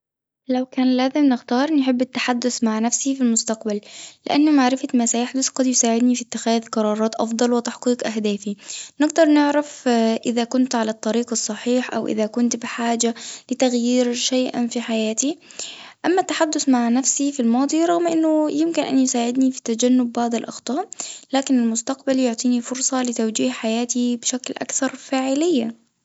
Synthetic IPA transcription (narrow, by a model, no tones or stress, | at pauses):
lawkæːnlæːzɪmnɪxt̪ɑːɾˤnɪħɪbːɪt̪ːaħad̪ːʊθmaʕnafsifilmʊst̪aqbalːɪ̰ʔanːʊmaʕɾɪfamaːsajaħd̪ʊθqɑd̪jʊsaːʕɪd̪nifit̪ːɪxæːðqɑɾˤɑːɾˤɑːt̪ʔɑ̰fd̪ˤɑlwɪt̪aħqiːqʔaɦd̪aːfinɪɡd̪ɑɾˤnɪʕɾafʔɪðakʊnt̪ʕalat̪ˤːɑɾiːqɑsˤːɑħiːħʔa̰wʔɪ̰ðakʊnt̪bɪħaːd͡ʒalɪt̪aɣjiːɾʃajʔa̰nfiħajaːt̪i | ʔamːat̪ːaħad̪ːʊθmaʕnafsifilmɑːd̪ˤiɾˤɑɣmʔɪnːʊjɪmkɪnʔa̰njɪsaːʕɪd̪nifi̥t̪ad͡ʒanːʊbːhaːd̪alʔɑ̰xt̪ˤɑːʔlaːkɪnɪlmʊst̪aqbaljʊʕt̪ˤiːnifʊɾsˤɑlɪt̪awd͡ʒiːhħajaːt̪ibɪʃaklʔa̰kθɑɾˤfaːʕɪlɪjːa